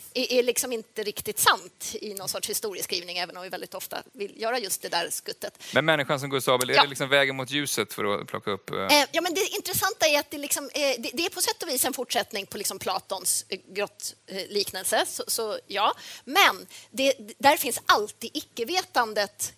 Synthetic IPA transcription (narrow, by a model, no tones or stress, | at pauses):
ɛʔæɭɪksɔmɪnt̪əɾɪkt̪ɪt̪sant̪ɪnɔnsɔʈʂhɪst̪uːɾɪəskɾiːvnɪŋɛːvənɔmvɪvɛld̪ɪt̪ɔft̪a̰vɪljœːɾajɵst̪̚d̪ɛd̪æ̰ɾskɵt̪ːət̪mɛnmɛnːɪɧans̬ɔmɡɵst̪ɑːbəlɛlɪksɔmvɛːɡəɾmʊt̪jʉ̟ːsət̪fœ̰ɾɔ̰pʰlɔ̰kːaɵpːjɑːmɛnd̪ɛʔɪnt̪ɾɛsant̪aæɾat̪̚d̪ɛlɪksɔmd̪ɛd̪ɛæɾpʰɔsɛt̪ːɔviːsɛnfʊʈʂɛt̪nɪŋpʰɔlɪksɔmpʰlɑ̰ːt̪ɔnsɡɾɔt̪ːliːknəlsəsɔsɔjɑːmɛnd̪ɛd̪æɾfɪnsʔalt̪iːd̪ɪkːəveːt̪and̪ət̪